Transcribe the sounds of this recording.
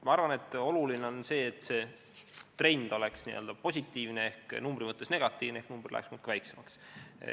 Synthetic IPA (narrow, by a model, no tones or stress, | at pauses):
mɑɑrvɑne̞t̪ːˑo̞lulineo̞nse̞ːt̪ːˑse̞ː | t̪re̞jnd̪̥o̞le̞ksnḭø̰ld̪̥ɑpo̞sʲit̪ːˑiːvneehknumbrimɤt̪ːesne̞ɡ̥ɑt̪ːˑiːvnehknumb̥rlæ̰ksmut̪kːvæjksemɑks